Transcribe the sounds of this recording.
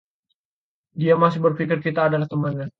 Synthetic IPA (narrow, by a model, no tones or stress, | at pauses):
diamasɪhbərfikɪrkit̪aːdalaht̪əmanɲa